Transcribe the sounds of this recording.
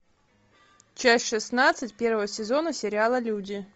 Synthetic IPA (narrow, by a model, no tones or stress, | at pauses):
t͡ɕasʲtʲʂɨsnat̪sɨtʲpʲervəvəsʲɪzo̞nəsʲɪɾʲɪalˠəlʲudʲɪ